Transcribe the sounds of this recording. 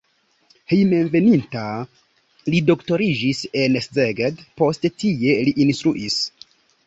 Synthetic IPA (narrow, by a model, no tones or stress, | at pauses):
hejme̞nve̞ninta | lido̞kto̞ɾid͡ʒise̞neszeɡedpo̞stetie̞liʔinstɾuʔis